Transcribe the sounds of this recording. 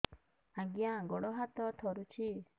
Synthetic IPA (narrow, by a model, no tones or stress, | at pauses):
ãɡiãɡɔɽɔɦat̪ɔt̪ʰɔɾut͡ʃʰi